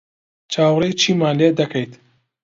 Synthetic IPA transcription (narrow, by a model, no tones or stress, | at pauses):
t͡ʃʰaːwrejt͡ʃʰiːmaːnled̪ɐkʰɐjt̪